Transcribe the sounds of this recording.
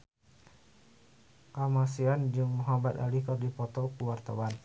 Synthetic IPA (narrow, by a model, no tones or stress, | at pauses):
kamasiand͡ʒuŋmɦabat̪a̰lihkardipɔt̪ɔkuwart̪awan